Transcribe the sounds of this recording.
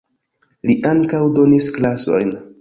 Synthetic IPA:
liʔaŋkawdo̞nisklaso̞̰jn

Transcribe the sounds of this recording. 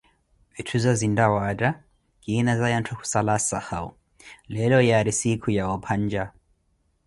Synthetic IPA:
vitʰuzazindawaɾa | kinazajantʰɔku̥salasahaṵ | lɛlɔjaɾisikʰujawɔpʰaɲd͡ʒa

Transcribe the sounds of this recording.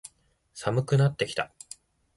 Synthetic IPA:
samɯ̟kɯ̟nat̪ːe̞kʲi̥t̪a

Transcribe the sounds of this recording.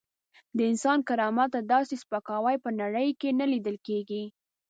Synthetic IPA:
d̪əɪnsɑnkaɾɑmat̪ːad̪ɑsespəkɑwajpənaɽəjkenalid̪əlkeɡi

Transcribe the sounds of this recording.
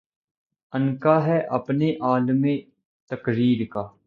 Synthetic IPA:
ənkaɦɛːʔəpneʔaːlmẽː | t̪əkɾiːɾkaː

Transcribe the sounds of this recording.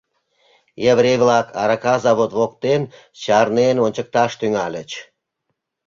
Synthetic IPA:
jevɾejβlɑkʰɑɾɑkɑzɑβot̪βok̚t̪en | t͡ɕɑrnenonʲt͡ɕək̚t̪ɑʃt̪yŋɑlʲət͡ɕ

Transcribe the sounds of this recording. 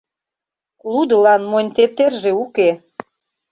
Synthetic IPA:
lud̪ə̆lɑnmonʲt̪ep̚t̪erʒeuke

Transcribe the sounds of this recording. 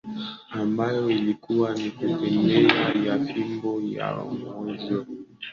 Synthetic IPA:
ambajɔilikuwanikutɛmbɛajafimbɔja̰ŋɔzɔ

